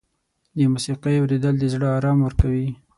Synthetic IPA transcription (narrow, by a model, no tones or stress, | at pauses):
d̪əmusiqejawɾed̪əld̪əzɽəɑɾɑmwəɾkawi